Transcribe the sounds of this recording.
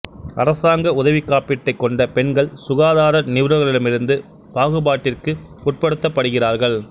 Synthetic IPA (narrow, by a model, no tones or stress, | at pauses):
ʔɐɾɐsaːŋɡɐʊðɐʋikːaːpɪʈːɐɪkːɔɳɖɐpɛɳɡɐɭsʊɣaːðaːɾɐnɪʋɾɐɣɐɭɪɽɯmɪɾɯnd̪ɯ | baːɣɯbaːʈːɪrkɯ | pʊʈ̚pɐɽɯt̪ːɐpːɐɽɯɣɪraːɾɣɐɭ